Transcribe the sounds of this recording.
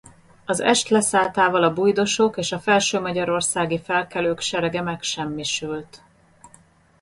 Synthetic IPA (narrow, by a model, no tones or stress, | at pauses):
ɒzɛ̰ʃt̪lɛsaːlt̪aːvɒlɒbujd̪o̞ʃokeːʃɒfɛlʃøːmɒɟɒɾo̞rsaːɡifɛlkɛløːkʃɛɾɛɡɛmɛkʃɛmːiʃylt̪